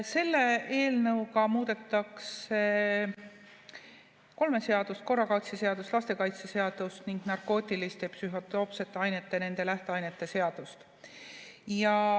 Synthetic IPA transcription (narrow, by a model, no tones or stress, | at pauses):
se̞lːe̞e̞ːlnɤwkɑmuːd̪̥e̞t̪ːˑɑkse | ko̞lme̞se̞ɑd̪̥ust̪̚ko̞rːɑkɑjt̪sese̞ɑd̪̥ust̪lɑst̪ekɑjt̪sese̞ɑd̪̥ust̪niŋɡ̥nɑrko̞ːt̪ʲːˑilist̪e̞psyɦo̞t̪o̞ːpse̞t̪ːˑeɑjne̞t̪ːe̞ne̞nd̪̥e̞læht̪eɑjne̞t̪ˑːe̞se̞ɑd̪̥ust̪ | jɑ